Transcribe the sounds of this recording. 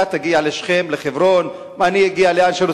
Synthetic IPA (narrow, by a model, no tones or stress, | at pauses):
at̪aɡialeʃχe̞mleχevɾo̞n | manijaɡialeanʃelu